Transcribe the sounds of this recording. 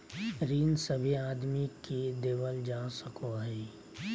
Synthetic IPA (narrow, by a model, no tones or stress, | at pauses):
ɾiːnsəbʱiaːd̪mikid̪eːʋəld͡ʒaːsəkoɦɛː